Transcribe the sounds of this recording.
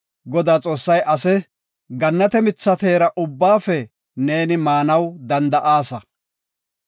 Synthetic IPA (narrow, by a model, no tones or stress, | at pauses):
ɡɔd̪aːt͡sʼo̞ːsːɐjʔɐsɛ | ɡɐnːɐt̪ɛmɪt͡sːɐt̪e̞ːɾɐʔʊbːaːfɛ | ne̞ːnɪmaːnɐwd̪ɐnd̪ɐʔaːsɐ